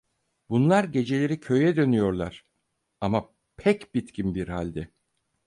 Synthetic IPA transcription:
bunlˠaɾɟe̞d͡ʒe̞lʲe̞ɾicʰø̞jɛd̪ø̞nyjo̞ɾlˠaɾ̥ | ama | pʰɛcbit̪cʰimbiɾhalʲd̪ɛ

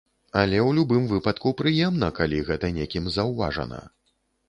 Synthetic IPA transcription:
ɐlʲɛwlʲubɨmvɨpɐt̪kupɾɨjɛmnɐkalʲiɣɛt̪ɐnʲekʲimzɐwva̰ʐɐ̰nɐ̰

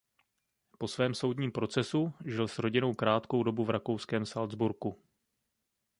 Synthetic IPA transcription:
po̞svɛːmso̞wdɲiːmpɾo̞t͡sɛsuʒɪlsɾo̞ɟɪno̞wkɾaːt̪ko̞wdo̞buvɾakowskɛːmsald͡zbuɾku

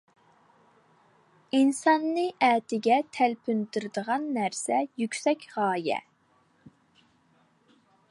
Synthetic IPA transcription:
insɑnːɨʔɛːt̪ʰɪɡʲɛt̪ʰælpʰynd̪yɾɪd̪əʁɑnːæɾsɛjykʲsɛkʲʁɑːjɛ̰

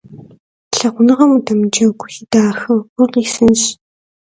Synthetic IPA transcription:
ɬɐʁʷʊnɨʁɐmudɐmd͡ʒɐɡʷʊidaːxɨxʷʊqiːsɨnʃ

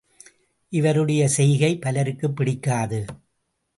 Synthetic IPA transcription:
ʔɪʋɐɾɯɽɐjɐsɛjɣɐɪpɐlɐɾɯkːɯpːɪɽɪkːaːðɯ

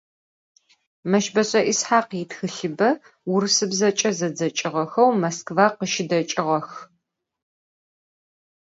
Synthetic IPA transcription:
mɐʃbɐɕʼɐʔisħaːqjiɪtxɨɬɨbɐ | wʊɾɨsɨbzɐt͡ʃʼɐzɐd͡zɐt͡ʃʼɪʁɐxɐwmɐskvaqəʃɪdɐt͡ʃʼɪʁɐx

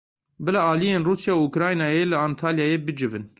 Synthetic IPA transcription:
bɨlaɑːlijeːnruːsjɑːwukɾɑːjnɑːjeːlɨaːnt̪ʰɑːljaːjeːbɨd͡ʒɨvɨn

